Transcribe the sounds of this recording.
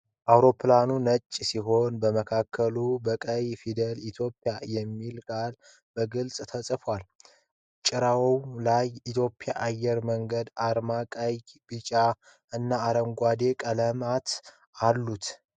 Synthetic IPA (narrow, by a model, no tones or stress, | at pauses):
ʔawɾo̞pʰlanunət͡ʃʼːsiɦo̞nbəməkʰakʰːəlubəkʼəjfid̪əlit̪ʰjo̞pʼːjajɛmːilkʼal | bəɡɨlsʼt̪ʰəsʼfwal | t͡ʃʼɪɾawwlajit̪ʰjo̞pʼːjaʔajːɛɾməŋɡəd̪aɾmakʼajb̥ɨt͡ʃʼa | ɨnːaːɾəmɡʷad̪e̞kʼələmat̪ | alːut̪